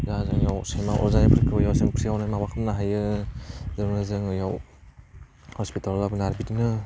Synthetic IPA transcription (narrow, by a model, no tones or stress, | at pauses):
zazɯŋjawsemawʔɔ̰zanipʰɾkʰɯbajawsɯŋpʰɾiawnajmabakʰɯmnaɦajɯ | zɯɾnɯzɯŋjaw | hɔspitalabɯnaɾbitnɯ